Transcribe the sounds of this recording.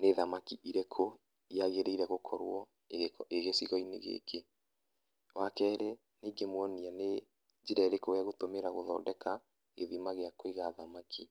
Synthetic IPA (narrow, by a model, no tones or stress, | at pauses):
neðamakiʔiɾekʰo | iaɣeɾeiɾɛɣokʰɔɾwɔ | eɣesiɣɔinḛɣḛkʰe | wakɛɾe | niːɡemwɔniane | d͡ʒiɾɛɾekowaɣotomeɾaɣoðɔ̰ːdɛka | eðimaɣeakoeɣaðamakʰi